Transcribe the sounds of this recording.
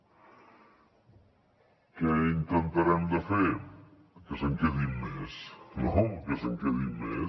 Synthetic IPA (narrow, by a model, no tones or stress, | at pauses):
keint̪ənt̪aɾɛmd̪əfeɾ | kəsəŋkeðimmesnokəsəŋkeðimːḛ